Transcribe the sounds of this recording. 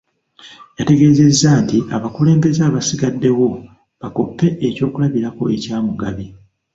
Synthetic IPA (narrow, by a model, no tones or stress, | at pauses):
jate̞ɡe̞ːze̞zːantiʔaβakule̞ːmbe̞zaːβasiɡadːe̞wo̞ | βakopːe̞ʔeco̞ːkulaβiɾako̞e̞caːmuɡaβi